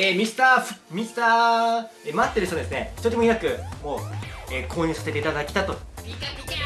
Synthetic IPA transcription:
eːmʲisɨ̥t̪aːɸmʲist̪aː | emat̪ːe̞ɾɯ̟çtod̪esɨne̞çi̥t̪oɾʲimoijakɯ̟mo̞ːeːkʰo̞ːɲ̟ɯːsase̞t̪eit̪ad̪akʲi̥t̪at̪o

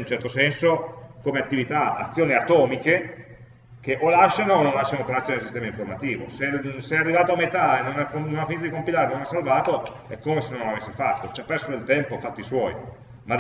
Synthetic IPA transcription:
unt͡ʃɛrt̪osɛnsokomeat̪ːivit̪aa̰t̪sːjoːniat̪ɔːmike | k̟eʔolaʃːanonːõnlaʃːanot̪ɾat͡ʃːenelsist̪ɛːmaiɱformat̪iːvo̰seseɛarːivaːt̪oamːet̪aenːonakononafːinit̪od̪ikompilaːɾenonasːalvaːt̪o | ɛ̰kːomesenːonnlavesːefat̪ːot͡ʃapːɛrsod̪elt̪ɛmpofat̪ːiswɔːj | mad̪

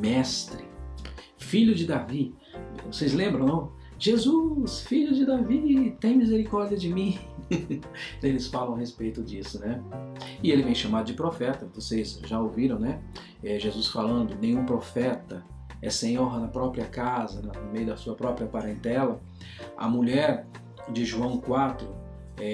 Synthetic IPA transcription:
mɛst̪ɾɪ | fiʎʊd͡ʒɪd̪avi | vosezlẽmbɾɐ̃w̃nɐ̃ | ʒ̥ezusfiʎʊd͡ʒɪd̪avit̪ẽj̃mizeɾikɔɾd͡ʒiɐd͡ʒɪmĩ | elɪsfalɐ̃w̃ɐhespejt̪ʊd͡ʒisʊnɛ | ɪelɪvẽj̃ʃamad̪ʊd͡ʒɪpɾofɛt̪ɐvosejzʒaowviɾɐ̃w̃nɛ | ɛʒezusfalɐ̃nd̪ʊnẽj̃ũpɾofɛt̪ɐ | ɛsẽɲoɾnɐpɾɔpɾiɐkazɐnɐnʊmejʊd̪ɐsuɐpɾɔpɾiɐpaɾẽnt̪ɛlɐ | ɐ̰muʎɛɾ | d͡ʒɪʒuɐ̃w̃kwat̪ɾʊ | ɛ

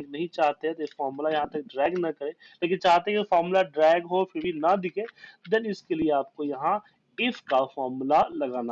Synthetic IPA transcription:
ɡnɐɦĩt͡ʃaːɦt̪eɦɛ̃t̪efɔːɾmulajɐɦãt̪ɐk̚ɖɾɛːɡnɐkəɾeː | leːkɪnt͡ʃaːɦt̪eɦɛ̃kfaːɾmulaɖɾɛːɡɦopʰɪɾbʱinɐd̪ɪkʰeːd̪ɪnɪskelieaːp̚kojɐɦã | ɪfkafɔːmulalɐɡaːna

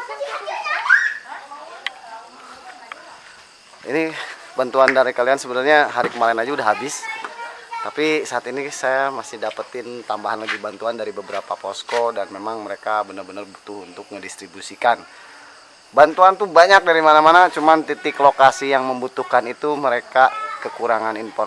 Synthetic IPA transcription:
ḭni | bant̪uandaɾikaliansəbənarɲaɦaɾikəmaɾɛnad͡ʒaudaɦabɪs | t̪apisaːt̪inisajamasɪhdapət̪ɪnt̪ambaɦanlabihbant̪uandaɾibəbəɾapaposkodanmemaŋməɾekabənərbənərbut̪ʊhunt̪ʊk̚mədist̪ɾibusikan | bant̪uant̪ubaɲak̚daɾimanamanat͡ʃumant̪it̪ɪklokasijaŋməmbut̪uhkanit̪uməɾekakəkuɾaŋaninpɔ

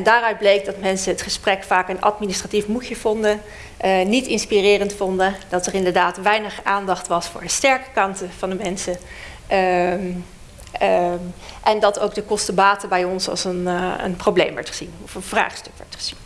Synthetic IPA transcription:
ɛndaːrœɥd̚blejɡ̚dɑtmɛnsəɦətχəsprɛkfaːkənɑ̰tministratifmuçəv̥ɔndə | nitɪnspirɪːrəntfɔndəd̥ɑtərɪndəɹdaːtʋɛjnəχaːndɑχtʋɑsfʊːɹdəstɛɹkə̥kɑntəv̥ɑndəmɛnsə | ʔɛndɑtowɡdəkɔstəbaːtəbɛjɔnsɑ̰lˠsənə̰nprowblḛjmʋɛ̰ɹtχəz̥inɔfənvra̰ːχstɵkʋɛ̰ɹtχə̥z̥in

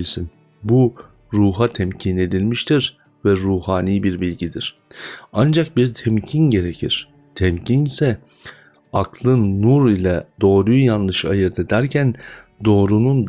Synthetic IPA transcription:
isin | bu | ɾuːɦat̪ʰɛmcʰine̞d̪ilʲmiʃt̪ʰiɾ | vɛɾuːhaːniːbiɾbilʲɟid̪iɾ̥and͡ʒak̚biɾt̪ʰɛmcʰinɟe̞ɾecʰiɾ̥ | t̪ʰɛmcʰinisɛ | aklˠɯnːuɾilʲɛd̪o̞ːɾujujanlˠɯʃa̰jɯɾd̪ad̪æɾcʰænd̪o̞ːɾunund̪

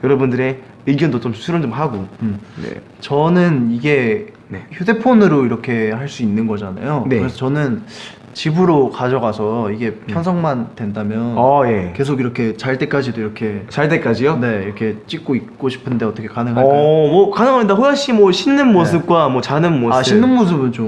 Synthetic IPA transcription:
jʌɾʌbundɯɾe̞ | ɯɡjʌndot͡ɕomsʰuɾɯnd͡ʑomɦaɡoɯmnḛ | t͡ɕʌnɯniɡe̞ | nçjude̞pʰonɯɾoiɾʌkʰe̞haɭs͈uinːɯnɡʌd͡ʑana̰jokɯɾesʰʌt͡ɕʌnɯn | t͡ɕibɯɾokad͡ʑʌɡasʰʌiɡe̞pʰjʌnsʰʌŋmantwe̞ndamjʌnʌje̞ke̞s̬ʰoɡiɾʌkʰe̞t͡ɕaɭt͈e̞k͈ad͡ʑidoiɾʌkʰe̞t͡ɕaɭt̬͈ek͈ad͡ʑijone̞iɾʌkʰe̞t͡ɕ͈ik̚k͈oik̚k͈oɕʰi̥pʰɯnde̞ʌt͈ʌkʰe̞kanɯŋɦamwʌkanɯŋɦaɲidaɦojaɕ͈imwʌɕʰinːɯnmosʰɯp̚k͈wamwʌt͡ɕanɯnmoaɕʰinːɯnmos̬ʰɯbɯnt͡ɕo

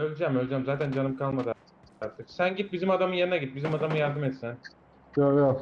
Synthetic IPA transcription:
ølʲd͡ʒæmølʲd͡ʒæmzaːt̪ʰænd͡ʒanɯmkʰalˠmad̪ḁ | aɾt̪ʰɯksænɟit̪̚bizimad̪amɯnjeɾinaɟit̪bizimad̪amɯnjaɾd̪ɯmɛt̪sin | ojo

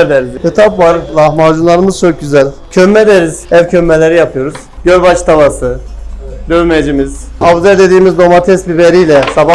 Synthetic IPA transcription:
ɾd̪ɛɾizkɯt̪ʰapvaɾlˠahmad͡ʒunlˠaɾɯmɯzt͡ʃʰoc̚ɟyzælʲ | cʰømːɛd̪eɾizævcʰømːelʲeɾijapʰɯjo̞ɾuz̥ | ɟøɾbat͡ʃt̪ʰabasɯ | d̪øvmed͡ʒimiz̥avzɛd̪e̞d̪iːmizd̪o̞mat̪ʰɛsbibeɾijlʲɛsaba

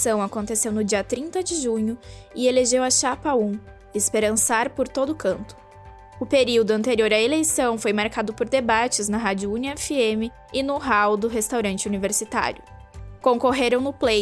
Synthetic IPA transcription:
sɐ̃w̃akõnt̪esewnʊd͡ʒiɐt̪ɾĩnt̪ɐd͡ʒɪʒũɲʊɪeleʒewɐʃapɐũ | espeɾɐ̃saɾpoɾt̪od̪ʊkɐ̃nt̪ʊ̥ | ʊpeɾiwd̪ʊɐ̃nt̪eɾioɾɐelejsɐ̃w̃fojmaɾkad̪ʊpoɾd̪ebat͡ʃɪznɐɦad͡ʒʊuniɛfiẽmɪ | ɪnʊɦawd̪ʊɦest̪awɾɐ̃nt͡ʃɪuniveɾsit̪a̰ɾjʊ | kõŋkoɦeɾɐ̃w̃nʊple

